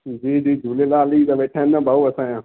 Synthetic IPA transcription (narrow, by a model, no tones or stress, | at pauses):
d͡ʒiːd͡ʒiːd͡ʒuːlelaːliːd̪aːbeʈʰːãːɪnːãːbaːuːəsãːjãː